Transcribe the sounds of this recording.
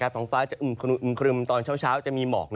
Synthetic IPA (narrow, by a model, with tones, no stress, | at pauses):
kaː˧˥˩ɔ˩˦ŋfaː˦˥t͡ɕa˨ʔu˨˩mkʰɾu˧˩ʔmkʰɾɯ˧mt̪ɔː˧nt͡ɕʰaː˥˩wt͡ɕʰaː˦˥wt͡ɕa˨˩miː˧mɔ̰ː˨˩k̚n˧